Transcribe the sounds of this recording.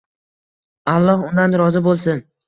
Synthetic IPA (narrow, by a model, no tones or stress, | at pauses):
alˠːɒhʊnd̪anɾɒzɪbolˠsɪn